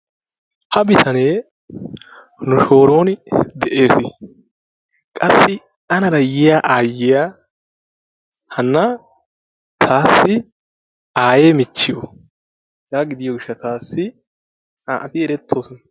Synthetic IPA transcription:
hɐbɪt̪ʰɐne̞ː | nʊʃo̞ːɾo̞ːnɪd̪ɛʔe̞ːsɪ | kʼɐsːɪ | ɐnɐɾɐjɪjaʔaːjːɪja | hɐnːɐ | t̪ʰaːsːɪ | aːje̞ːmɪt͡ʃːɪjo | jaːɡɪd̪ɪjɔɡɪʃːɐt̪aːsːɪ | aʔɐt̪ɪɛɾɛt̪ʰːo̞ːsɔnɐ

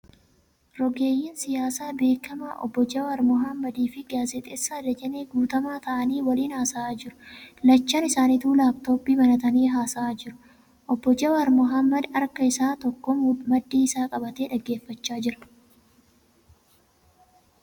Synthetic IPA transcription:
ɾɔɡe̞ːjːɪːnsɪjaːsaːbe̞ːkɐmaːʔɔ̰bːɔd͡ʒɐwɐɾmʊɦɐmːɐd̪iːfɪɡaːzɛt̪ʼesːaːd̪ɐd͡ʒɛneːɡuːt̪ɐmaːt̪ɐʔɐniːwɐliːnhaːsaaːd͡ʒɪɾʊ̥lɐt͡ʃːɐnɪsaːnit̪uːlaːbt̪o̞ːbːiːbɐnɐt̪ɐniːɦaːsɐaːd͡ʒɪɾʊ̥ | ʔɔbːɔd͡ʒɐwɐɾmʊɦɐmːɐd̪ɐɾkɐɪsaːt̪ɔkːɔmmɐd̪ːiːɪsaːkʼɐbɐt̪eːᶑɐɡːe̞ːfːɐt͡ʃːaːd͡ʒɪɾɐ̥

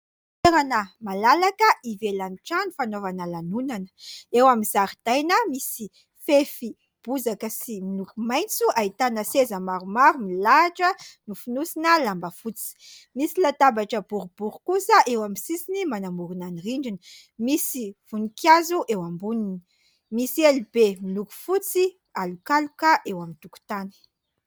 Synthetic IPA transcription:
eɾanəmalalakəʔivelanʈ͡ʂanifanovanəlanunanə̥ewamizaɾid̪̥ajnəmisi | fefi | b̥uzakəsimilukumajnt͡suʔait̪anəsezəmaɾumaɾumilaʈ͡ʂənufinusinəlambəfut͡si̥misilat̪abaʈ͡ʂəbuɾub̥uɾukusəʔewamisisinimanamuɾunaniriɳɖ͡ʐinimisiv̥unikjazuʔewambunini | misielibemiluku̥fut͡si | alukalukəʔewamint̪uku̥t̪anə̥

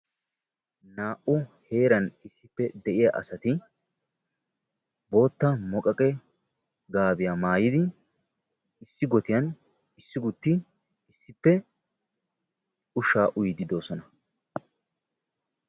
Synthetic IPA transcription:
naːʔʊhe̞ːɾɐnɪsːɪpːɛd̪ɛʔɪja̰ːʔɐ̰sɐt̪ɪ | bo̞ːt̪ːɐmɔkʼɐkʼɛ | ɡaːbɪjaːmaːjɪd̪ɪ | ɪsːɪɡɔt̪ɪjɐn | ɪsːɪɡʊt̪ːɪ | ɪsːɪpːɛ | ʊʃaːʔʊjd̪ɪd̪o̞ːsɔnɐ

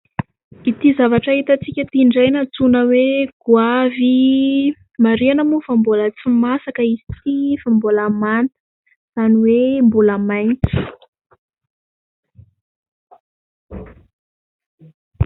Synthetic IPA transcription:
it̪izavaʈ͡ʂaɦit̪ət͡sikʲət̪iɳɖ͡ʐajnət͡sunəweɡ̥uavi | maɾianamufambolət͡simasakəizi̥t͡sifamboləmant̪ə̥ | z̥aniwembuləmajnt͡si̥

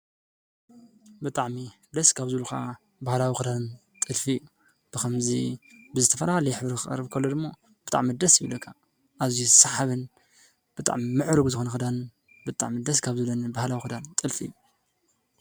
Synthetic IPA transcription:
bɨt̪ʼaʕmi | d̪ɐskʰaβzɨluka̰ | bahlawixɨd̪an | t̪ʼɨlfiju | b̥ɨkʰɐmzibɨzɨt̪ʰɐfɐɾahalɐħɨβɾikɨɐ̰ɾːɨβkʰɐlːod̪ɨmːo | b̥ɨt̪ʼa̰ʕmid̪ɐsjɪβlɐkʰːa | ʔazisaħaβɨn | b̥ɨt̪ʼa̰ʕmimɨʕɾɨɡuzɨxonɐkxɨd̪an | bɨt̪ʼa̰ʕmid̪ɐskʰaβzɨlɐnbahlawixɨd̪ant̪ʼɨlfijːu

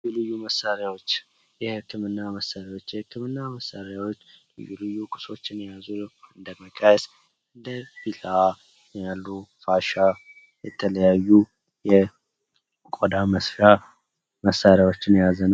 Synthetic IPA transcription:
julɨjːuməsːaɾjawo̞t͡ʃː | jɛhɨkːɨmɨnːaməsːaɾjawo̞t͡ʃːjɛhɨkːɨmɨnːaməsːaɾawot͡ʃːlɨ̰jːulɨjːukʼɨ̥so̞t͡ʃːɪnjazuɨnd̪əməkʼajɛs | ɨnd̪əfila | jalːufaʃa | jɛt̪ʰələjajːu | jɛ | kʼod̪aməsfa | məsːaɾjawo̞t͡ʃːɪnjazənw

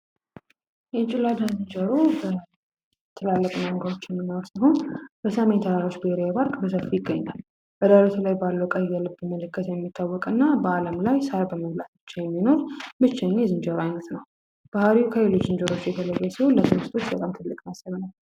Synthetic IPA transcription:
jɛt͡ʃʼɪlad̪azɨnd͡ʒəɾubə | t̪ʰːɨlalːəkʼumaŋɡəɾo̞t͡ʃːɪɛmːɨnːawsəɦo̞nbəsəme̞nt̪ʰədaɾot͡ʃːbiheɾejbaɾkʼbəsəfːijɪɡːəɲːa̰l | bəd̪alət̪ʰulajbalːəkʼajːɛlɨbɨməlɨkːət̪jɛmːit̪ʰːawːɔkʼɨnːabəaləmlajsaɾbəməβlat̪bɨ̥t͡ʃːɛjɛmːino̞ɾmɨt͡ʃːɛɲːezɨnd͡ʒəɾoajnət̪nəw | b̥ahaɾiukʰəjelo̞t͡ʃːzɨnd͡ʒəɾo̞t͡ʃːjɛt̪ʰələjːɛsiho̞lːət̪ʰɨɾɨst̪ʰo̞t͡ʃːbət̪ʼamt̪ʰɨlːɨkʼnasːəβnal

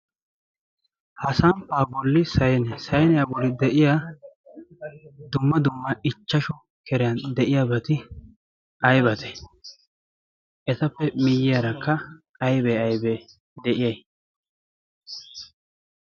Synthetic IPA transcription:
hɐsɐmpːaːbɔlːɪsɐjnsɐjnɛjabɔɾɪd̪ɛʔɪja | d̪ʊmːɐd̪ʊmːɐʔɪt͡ʃːɐʃɔ | kʰɛɾɛjɐnd̪ɛʔɪjabɐt̪ɪ | ʔɐjbɐt̪ʰɛ̥ | ʔɛt̪ɐpːɛmɪjːɪjɐɾɐkːɐ | ɐjbɛːɐjbɛ | d̪ɛʔɪjɐj

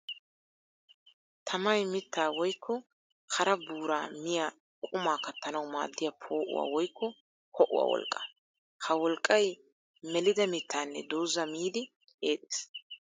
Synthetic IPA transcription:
t̪ʰɐmɐjmɪt̪ʰːaːwɔjkːɔ | kʰɐɾɐbuːɾaːmɪja | kʼʊmaːkɐt̪ːɐnɐwma̰ːd̪ːɪjapʰo̞ːʔʊ̰wa̰ːwɔjkːɔ | kʰɔʔʊ̰wa̰wɔ̰lkʼːɐ̥ | hɐwɔlkʼːɐj | mɛlɪd̪ɐmɪt̪ːaːnːɛ̰d̪oːzɐmiːd̪ɪ | e̞ːt̪ʼeːs

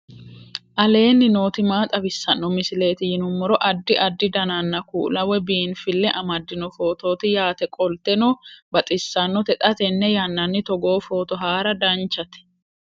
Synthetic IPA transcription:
ʔɐle̞ːnːɪno̞ːt̪ɪmaːt̪ʼɐbɪsːɐnːɔmɪsɪle̞ːt̪ɪjɪnʊmːɔɾɔʔɐd̪ːɪʔɐd̪ːɪd̪ɐnanːɐkṵːlɐwɛbiːnfɪlːɛʔɐmɐd̪ːɪnɔfo̞ːt̪o̞ːt̪ɪjaːt̪ɛkʼɔlt̪ɛnoːbɐt̪ʼɪsːɐnːɔt̪ɛt̪ʼɐt̪ɛnːɛjɐnːɐnːɪt̪ɔɡo̞ːfoːt̪ɔɦaːɾɐd̪ɐnt͡ʃːɐt̪ɛ̥

